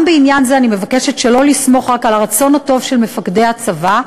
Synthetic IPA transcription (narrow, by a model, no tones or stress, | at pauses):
mbeinjanzeanime̞vakeʃetʃelo̞lismo̞χʁakalaʁat͡so̞nhato̞vʃelme̞fakdejhat͡sava